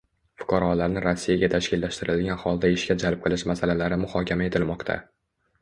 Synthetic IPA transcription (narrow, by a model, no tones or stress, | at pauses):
fʊ̥qʰɑɾɒlaɾnɪɾosːijaɡʲat̪ʰaʃkʲɪlːaʃt̪ɪɾɪlɡʲanχɒlˠd̪aɪʃkʲad͡ʒalˠp̚qʰɨlˠɪʃmasalalaɾɪmʊhɒkʲʰamae̞t̪ʰɪlmɒqt̪ʰa̰